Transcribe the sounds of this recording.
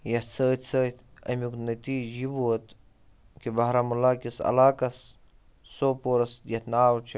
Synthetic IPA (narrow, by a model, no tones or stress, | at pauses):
jɐt͡sʰəːt̪t͡səːt̪ɐ̰miknɐt̪iːd͡ʒibut̪ | kibɐɦɾamulaːkisɐ̰laːkɐsː | oːpoːɾɐsjɐt̪naːwt͡ʃʰi